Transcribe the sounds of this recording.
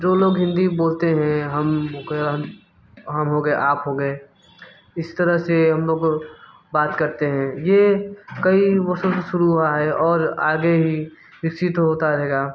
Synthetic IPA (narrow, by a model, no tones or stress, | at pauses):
d͡ʒoːloːɡɦɪ̃nd̪iboːlt̪eɦɛ̃ɦɐmɦoɡɦ | ɦɐmɦoɡəeʔaːpɦoɡəe | ɪst̪əɾəɦseɦɐmloːɡ | baːt̪kəɾt̪eɦɛ̃jekəibəɾsõseʃʊɾuɦaɦɛɔːɾaːɡeɦi | ɾɪksɪt̪ɦoːt̪aɾɐɦɛːɡaː